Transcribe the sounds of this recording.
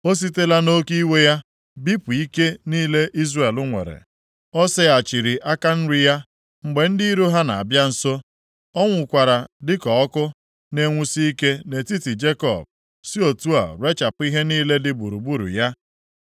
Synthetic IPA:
o˦s̬i˦te˦la˦no˦ki˦we˦ja˦ | bi˦pu˨i˦ke˦niː˦le˦ʔi˦zre˦˨e˨lʊ˦ŋʷḛ˨ɾḛ˨ | ɔ˦sɪ˦a˨t͡ʃi˨ɾi˨ʔa˦ka˦n̩˦ɾi˦ja˦ | ŋ͡m̩˨ɡ͡be˨n̩˦di˦ɾo˦ɦa˦na˨a˨bja˦n̩˨so˦ | ɔ˦ŋʷʊ˨kʷa˨ɾa˨dɪ˦kɔ˨ɔ˦kʊ˦ | ne˨ŋʷu˨si˦i˦ke˦ne˨ti˦ti˨d͡ʒe˦kɔ̰˨b̚ | si˦o˨tu˦a̰˨ɾwe˦t͡ʃa˨pʊ˦i˦ɦe˦niː˦le˦dɪ˦bu˨ɾu˨bu˦ɾṵ˨ja˦

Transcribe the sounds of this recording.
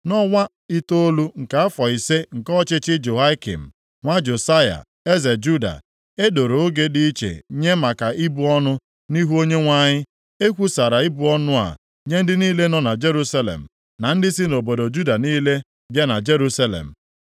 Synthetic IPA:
nɔ˦ŋʷa˦ | i˦to˦o˦lu˦ŋ̩˨ka˨a˦fɔ˨i˨se˦ŋ̩˨kɔ˦t͡ʃɪ˦t͡ʃɪ˦d͡ʒo˨ɦa˦kḭ˨m̩˨ | ŋʷa˦d͡ʒo˨sa˦ja̰˨ | e˦ze˨d͡ʒu˦da̰˨ | e˦do˨ɾo˨o˦ɡe˦di˦i˦t͡ʃḛ˨˦ɲe˦ma˨ka˨i˦bu˦ɔ˦nʊ˦ | ni˦ɦu˦o˦ɲe˦ŋʷa˦ɲɪ˦ | e˦kʷu˦sa˨ɾa˨i˦bu˨ɔ˦nʊ˦a̰˨ | ɲe˦n̩˦dɪ˦niː˦le˦nɔ˦na˨d͡ʒe˦ɾu˦sa˦lḛ˨m̩˨ | na˨n̩˦dɪ˦sɪ˦no˨bo˨do˨d͡ʒu˦da˨niː˦le˦ | bja˦na˨d͡ʒe˦ɾu˦sa˦lḛ˨m̩˨

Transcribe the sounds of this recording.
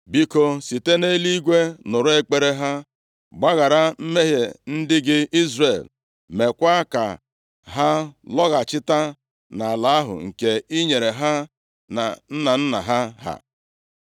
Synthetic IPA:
bi˦ko˦si˨te˦ne˦li˦ɡʷe˦nʊ˨ɾʊ˦e˦k͡pe˦ɾe˦ɦa˦ | ɡ͡ba˦ɣa˨ɾa˦m̩˦me˦ɦjḛ˨n̩˦dɪ˦ɡɪ˦i˦zre˨l | me˨kʷa˦ka̰˨ | ɦa˦lɔ˦ɣa˨t͡ʃɪ˦ta˦ | na˨la˨a˦ɦʊ̰˨ŋ̩˨ke˨i˦ɲe˨ɾe˨ɦa˦ | na̰˨n̩˦na˨n̩˦na̰˨ɦa˦ɦa̰˨

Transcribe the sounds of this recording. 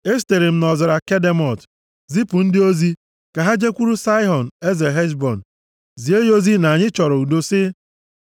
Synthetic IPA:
e˦s̬te˨ɾi˨m̩˦nɔ˨zɪ˨ɾa˨ke˦de˦mɔ˨t | zi˦pu˨n̩˦dɪ˦o˦zi˦ | ka˨ɦa˦d͡ʒe˦kʷu˦ɾu˦sa˦ɪ˦ɦɔ˨n̩˨e˦ze˨ɦe˦s̬bɔ˨n̩˨ | zi˨e˦jo˦zi˦na˨ɲɪ˦t͡ʃɔ˨ɾɔ˨u˨do˦sɪ˦

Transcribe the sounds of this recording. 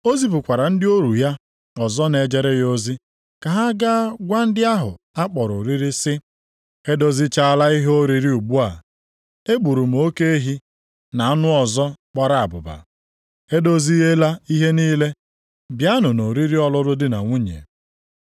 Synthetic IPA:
o˦zi˦pʊ˨kʷa˨ɾa˨n̩˦dɪ˦o˦ɾu˨ja˦ | ɔ˨zɔ˦ne˨d͡ʒe˨ɾe˦jo˦zi˦ | ka˨ɦa˦ɡa˦ɡʷa˦n̩˦dɪ˦a˦ɦʊ̰˨ | a˦k͡pɔ˨ɾo˨ɾi˦ɾi˦sɪ˦ | he˦do˦zi˦t͡ʃa˦a˦la˦i˦ɦe˦o˦ɾi˦ɾi˦u˨ɡ͡bu˦a˨ | e˦ɡ͡bu˨ɾu˨m̩˨˦o˦ke˦e˦ɦi˦ | na˨˦nʊ˦ɔ˨zɔ˦k͡pa˦ɾa˨a˨bʊ˨ba̰˨ | he˦do˦zi˦ɦe˦la˦i˦ɦe˦niː˦le˦ | bja˦nʊ˨no˨ɾi˦ɾi˦ɔ˦lʊ˦dʊ˦dɪ˦na̰˨ŋʷu˦ɲḛ˨

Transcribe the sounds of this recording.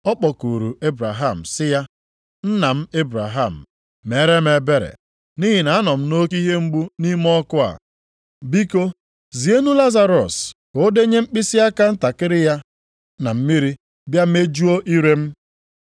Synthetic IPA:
ɔ˦k͡pɔ˨ku˨ɾu˨e˦bɾa˨ɦa˦˨m̩˨sɪ˦ja˦ | n̩˦na˨m̩˦e˦bɾa˨ɦa˦˨m̩˨ | me˨˦ɾe˦m̩e˨be˦ɾḛ˨ | ni˦ɦi˨na˨a˦nɔ˨m̩˦no˦ki˦ɦe˦ŋ͡m̩˦ɡ͡bu˦ni˦m˦ɔ˦kʊ˦a̰˨ | bi˦ko˦ | zi˨e˦nu˦la˦za˨ɾɔ̰˨sko˦de˦ɲe˦m̩˦k͡pi˦sɪ˦a˦ka˦n̩˦ta˨kɪ˦ɾɪ˦ja˦ | na˨m̩˦mi˦ɾi˦ | bja˦m̩˦e˦d͡ʒu˦o˦ʔi˦ɾe˦m̩˦

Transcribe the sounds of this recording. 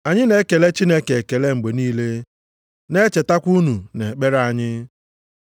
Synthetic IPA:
a˨ɲɪ˦ne˦ke˨le˦t͡ʃi˦ne˦ke˨ke˨le˦ŋ͡m̩˨ɡ͡be˨niː˦le˦ | ne˦t͡ʃe˨ta˦kʷu˦nu˨ne˨k͡pe˦ɾa˦˨ɲɪ˦

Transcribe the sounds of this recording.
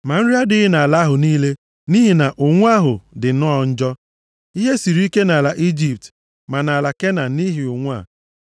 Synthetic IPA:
ma˨n̩˦ɾi˦a˦dɪ˦ɪ˦na˨a˨la˦ɦʊ˨niː˦le˦ | ni˦ɦi˨na˨ʔʊ˨ŋʷ˦a˦ɦʊ˨dɪ˨˦nɔ˦˨n̩˦d͡ʒɔ˦ | i˦ɦe˦si˨ɾi˦i˦ke˦na˨la˨ʔi˦d͡ʒi˨p̚t | ma˨na˨la˨ke˦na˨ni˦ɦi˨ʊ˨ŋʷ˦a̰˨

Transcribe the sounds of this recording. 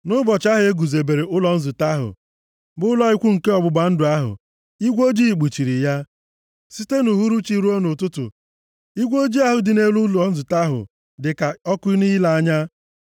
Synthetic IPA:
nʊ˦bɔ˨t͡ʃa˦ɦe˨˦e˦ɡu˨ze˨be˨ɾe˨ʔʊ˦lɔ˨n̩˦zʊ˨ta˦ɦʊ̰˨ | bʊ˦ʊ˦lɔ˦i˦kʷu˦ŋ̩˨ke˦ɔ˨bʊ˨ɡ͡ba˨n̩˦dʊ˨a˦ɦʊ̰˨ | i˦ɡʷo˦d͡ʒi˦i˨k͡pu˨t͡ʃi˨ɾi˨ja˦ | si˦te˦nu˨ɦu˦ɾu˦t͡ʃi˦ɾu˦o˦nʊ˨tʊ˦tʊ̰˨ | i˦ɡʷo˦d͡ʒi˦a˦ɦʊ˨dɪ˨ne˦lu˦lɔ˨˦n̩˦zʊ˨ta˦ɦʊ̰˨ | dɪ˨ka˨ɔ˦kʊ˦i˦ni˦la˨a˦ɲa˦

